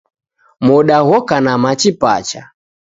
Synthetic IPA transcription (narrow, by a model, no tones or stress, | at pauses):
mɔɗaɣɔkanamat͡ʃipa̰t͡ʃa